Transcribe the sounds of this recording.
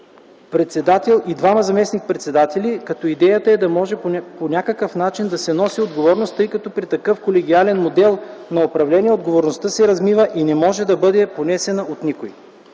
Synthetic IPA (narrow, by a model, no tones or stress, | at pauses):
pɾɛt̪sɛd̪at̪ɛlˠid̪vamɐzɐmɛsnik̚pɾɛt̪sɛd̪at̪ɛlikɐt̪ɔid̪ɛjət̪əɛd̪ɐmɔʒɛponʲakəkəfnat͡ʃind̪ɐsɛnɔsiod̪ɡovɔɾnost̪ɤjkɐt̪ɔpɾit̪ɐkɤfkolɛɡʲialɛnmod̪ɛlˠnɐopɾɐvlɛnʲiɛod̪ɡovoɾnost̪əsɛɾɐzmivəʔinɛmɔʒɛd̪ɐbɤd̪ɛponɛsɛnəʔot̪nikoj